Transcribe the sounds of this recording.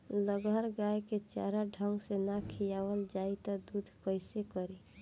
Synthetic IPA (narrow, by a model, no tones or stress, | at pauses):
ləɡəɾɡaeket͡ʃa̰ɾaɖʱəŋɡsenakʰijaʋəld͡ʒait̪ɔd̪ud̪ʱpəɪsekəɾi